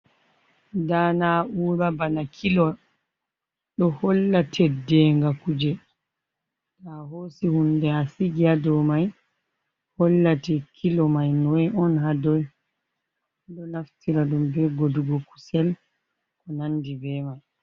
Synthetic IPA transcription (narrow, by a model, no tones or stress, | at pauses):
danaʔuːɾabanakʰilɔ | ɗɔhɔlːatʰɛdɛŋɡakud͡ʒɛ | dahosihundɛasiɡiadɔmaj | hɔlːatɛkʰilɔmajnɔjɔnɦadɔj | ɗɔnaftiɾaɗumbɛɡoduɡɔku̥sɛl | kɔnandibɛmaj